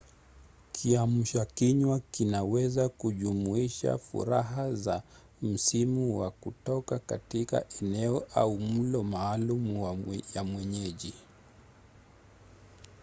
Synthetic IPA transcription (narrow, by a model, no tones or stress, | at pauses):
kʰiam̩ʃakiɲwakinawɛzakuʄumuiʃa̰fṵɾaɦaza | m̩simuwa̰kutɔkakatika̰ʔɛnɛɔʔaum̩lɔmaːlumwajamwɛɲɛʄi